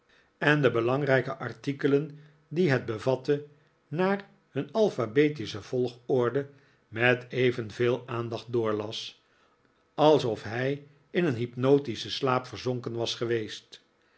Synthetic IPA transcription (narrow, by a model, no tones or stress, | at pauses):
ɛndəbəlɑŋrɛjkəʔɑɹtikələn | diɦɛd̚bəvɑtə | naːr | hɵnɑlˠfabeːtisəv̥ɔlˠχɔɹdə | mɛtejvənveːlˠaːnd̪ɑχt̚dʊːɹlɑs | ɑlˠsɔfɦɛj | ɪnənɦipnowtisəslaːpfəɹzoŋkənʋɑsχəʋejst